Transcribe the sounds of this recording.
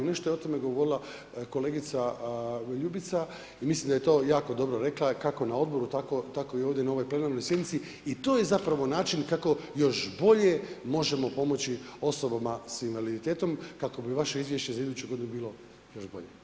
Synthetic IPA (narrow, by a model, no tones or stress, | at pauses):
ne̞ʃt̪o̞jeo̞t̪o̞me̞ɡo̞ʋo̞ɾilˠa | ko̞le̞ːɡit̪sa | ʎubit̪sa | imislimd̪aje̞t̪o̞ːjaːko̞d̪o̞bɾoɾe̞klˠakako̞nao̞d̪bo̞ɾut̪akot̪akoijoːvd̪ʲjenao̞ʋo̞jple̞naːɾno̞jsʲjed̪nit̪si | it̪o̞je̞zapɾaʋo̞naːt͡ʃinkako̞jo̞ʃbo̞ʎe̞mo̞ʒe̞mo̞po̞mo̞t͡ɕio̞so̞bamasinʋalid̪it̪e̞ːt̪o̞mkako̞biʋaʃe̞izʋje̞ʃt͡ɕe̞zaid̪ut͡ɕuɡo̞d̪inubiːlˠo̞ | jo̞ʃbo̞̰ʎe